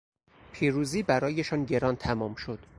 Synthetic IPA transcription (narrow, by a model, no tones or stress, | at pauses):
pʰiːɾuːziːbæɾɒːjeʃɒːnɟe̞ɾɒːnt̪ʰæmɒːmʃo̞d̪̥